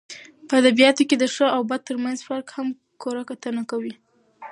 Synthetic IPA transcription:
pəad̪abijɑt̪oked̪əʂəawbad̪̚t̪ːəɾmanzfaɾkham | koɾakat̪ənakawi

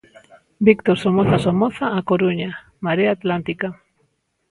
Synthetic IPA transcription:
bikt̪oɾsomoθasomoθaːkoɾuɲa | maɾeaːt̪lant̪ika

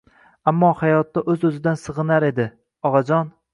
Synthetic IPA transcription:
amːɒhajɒt̪ːaʔɵzɵzɪd̪ansɨʁɨnaɾe̞d̪ɪ | ɒʁɑd͡ʒɒn

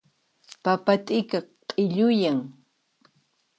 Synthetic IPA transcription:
papat̪ɪkaqʼɪʎʊjaŋ

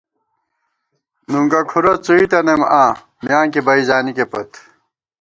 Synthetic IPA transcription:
nuŋkɐkʰuɾɐt͡suit̪ɐnemãː | mjaːŋkebɐizaːnikepɐt̪

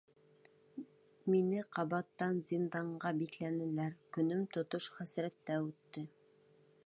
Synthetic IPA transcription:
minɘqɑβɑt̪ːɑnzʲind̪ɑɴɢɑbiklænɘ̆læɾkɵ̆nɘmt̪ŏt̪oʃχæsɾæt̪ːæʉt̪ːɘ

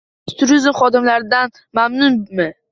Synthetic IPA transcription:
t̪ʰʊɾɪzmχɒd̪ɪmlaɾɪd̪an | mamnʊnmɪ

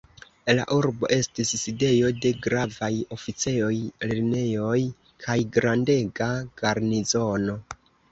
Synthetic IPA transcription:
la̰ʔuɾbo̞̰ʔe̞stisːide̞jo̞de̞ɡɾavajo̞fit͡se̞o̞jleɾne̞jo̞j | kʰajɡɾande̞ɡaɡ̥aɾnizo̞no̞

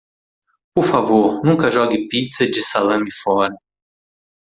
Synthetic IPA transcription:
poɾfavoɾnũkɐʒɔɡɪpit̪sɐd͡ʒɪsalɐ̃mɪfɔɾɐ

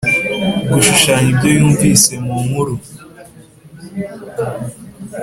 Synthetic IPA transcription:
ɡuʃuʃaːɲibɟojuːɱvise̞mumuɾu

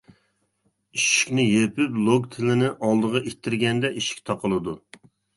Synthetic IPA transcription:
iʃi̥kʲnɪjepɪplˠoɡt̪ʰɪlɪnɪʔɑlˠd̪əʁɑʔet̪ʰːɪɾɡʲɛnd̪ɛʔiʃi̥k̚ʲt̪ʰɑqəlˠɨd̪u

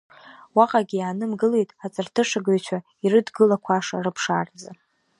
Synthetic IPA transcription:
waqʼaɡʲijaːnɨmɡɨle̞jtʼat͡sʼɨrtʰɨʂaɡaɥt͡ʃʷʰa | irɨdɡɨlakʷʰaʂa̰rɨpʰʂard͡za

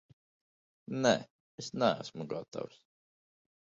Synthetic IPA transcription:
nɛ̰ | esnææ̰smuɡat̪ʰa̰ws

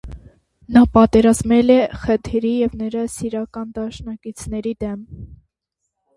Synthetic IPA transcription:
nɑpɑt̪ɛɾɑzmɛlɛχət̪ʰɾijɛvnəɾɑsiɾɑkɑnd̪ɑʃnɑkit͡sʰnɛɾid̪ɛm

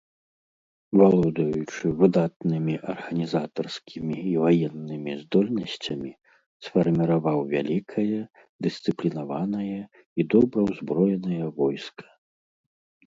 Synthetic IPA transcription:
valˠɔd̪ɐjut͡ʂɨvɨd̪at̪nɨmʲiʔɐrɣɐnʲizat̪ɐrskʲʰimʲiːvajɛnːɨmʲizd̪ɔlʲnɐsʲt͡sʲɐmʲi | sfɐrmʲiɾavawvʲalʲikʰɐjɐ | d̪ɨst̪sɨplʲinavanɐjɐ | id̪ɔbɾɐwzbɾɔjɛnɐjɐvɔjskʰɐ̥

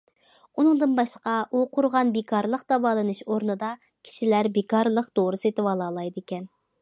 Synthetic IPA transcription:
unɨŋd̪ɨnbɑʃqɑʔuqʰʊɾʁɑnbekʰɑɾlˠəqd̪̥ɑwɑːlˠɨnɨʃoɾnɨd̪ɑ | kʲʰi̥ʃilæɾbekɑɾlˠəqd̪oɾɨsɨet̪ɪwɑlˠɑːlˠɑjd̪ɨekʲɛn

